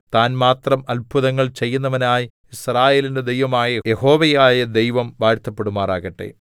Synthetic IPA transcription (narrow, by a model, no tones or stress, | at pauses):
t̪aːnmaːt̪rɐmɐlpʰuðɐŋːɐɭt͡ɕe̞jːunːɐʋɐnaːj | israːje̞ːlinde̞d̪e̞jʋɐmaːjɐjeho̞ːʋejaːjɐd̪e̞jʋɐmʋaːɻt̪ʰːɐpːe̞ɽumaːraːɣɐʈːe̞̰